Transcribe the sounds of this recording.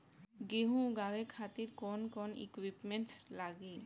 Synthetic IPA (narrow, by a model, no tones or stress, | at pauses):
ɡeɦũɡawekʰat̪iɾkɔnkɔnḭkwipmenʈslaɡe